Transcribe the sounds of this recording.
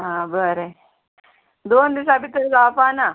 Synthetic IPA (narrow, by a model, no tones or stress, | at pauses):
ɦãbəɾe | d̪oːnd̪is̬abit̪əɾɡafana